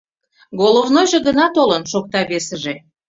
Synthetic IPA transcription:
ɡolˠovnojʒeɣənɑt̪olənʃok̚t̪ɑβesəʒe

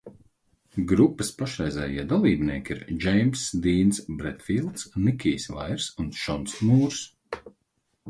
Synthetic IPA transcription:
ɡɾupːɨspaʃɾɛjzɛ̰ːjḭɛd̪alˠiːbnḭɛːkʲiɾd͡ʒɛjmsd̪iːnsbɾɛt̪filˠt̪snikʲiːsva̰jɾsunʃɔnsnuːɾs

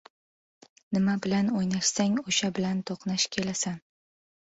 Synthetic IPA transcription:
nɪmabɪlanojnaʃsaŋoʃabɪlant̪ʰoqnaʃkʲʰe̞lasan

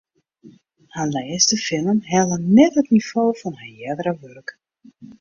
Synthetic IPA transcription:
hanlɛːstəfɪnənɦɛlˠənɛtɦətnifoːfɔnhajɛdəɾəʋørk

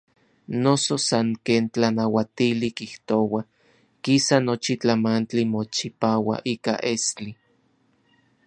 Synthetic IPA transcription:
nososaŋkeːnt͡ɬanawat̪ilikiht̪owa | kisanot͡ʃit͡ɬamant͡ɬimot͡ʃipaːwa̰ʔiːka̰ʔest͡ɬi

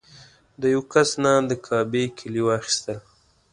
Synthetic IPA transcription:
d̪əjawkasnad̪əkʰɑbekʰɪljowɑxi̥st̪əl

